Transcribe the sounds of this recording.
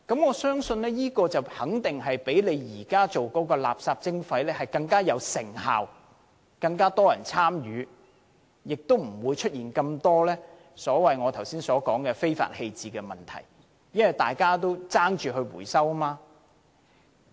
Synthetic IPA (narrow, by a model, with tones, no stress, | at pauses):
kɐ˨˥mŋɔː˨˧sœː˥ŋsɵ˧nlɛː˥jiː˥kɔː˧t͡sɐ˨whɐ˨˥ŋt̪ɪ˨ŋɦɐ˨jpe˨˥jle˨˧jjiː˨˩kaː˥t͡so˨wkɔː˨˥kɔː˧la̰ː˨p̚saː˧p̚t͡sɪ˥ŋfɐ˨˥jlɛː˥hɐ˨jkɐ˧ŋkaː˥jɐ˨˧wsɪ̰˨˩ŋha̰ː˨w | kɐ˧ŋkaː˥t̪ɔː˥jɐ˨˩nt͡sʰaː˥mjyː˨˧ | jɪ˨k̚t̪o˥wm̩˨˩wuː˨˧jt͡ʃʰɵ˥t̚jiː˨˩nkɐ˧mt̪ɔː˥lɛː˥ | sɔː˨˥wɐ˨jŋɔː˨˧t̪ʰɐ˨˩wsiː˥nsɔː˨˥kɔː˨˥ŋkɛː˧fe˥jfa̰ː˨t̚he˧jt͡siː˨˩kɛː˧mɐ˨nt̪ʰɐ̰˨˩j | jɐ˥nwɐ˨˩jt̪aː˨jkaː˥t̪o˥wt͡saː˥ŋt͡ʃyː˨ɦɵ˧ɥwṵː˨˩jsɐ˥wmaː˧